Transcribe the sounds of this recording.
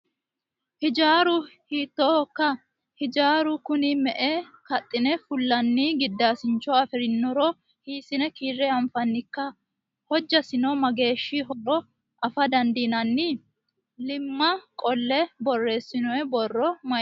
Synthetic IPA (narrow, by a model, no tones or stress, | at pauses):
hɪd͡ʒaːɾʊhiːt̪ːɔːhɔkːɐ | hɪd͡ʒaːɾʊkʊnɪmɛʔekɐt̪ʼːɪnɛfʊlːɐnːiːɡɪd̪ːaːsɪnt͡ʃːɔɐfɪɾɪnːɔɾɔ | hiːsɪnɛkiːrɛɐmfɐnːɪkːɐ | hɔd͡ʒːɐsɪnɔmɐɡe̞ːʃːiɦɔɾɔ | ʔɐfɐd̪ɐnd̪iːnɐnːi | lɪmːɐkʼɔlːɛbɔrːe̞ːsːɪnʊɛbɔrːɔmɐ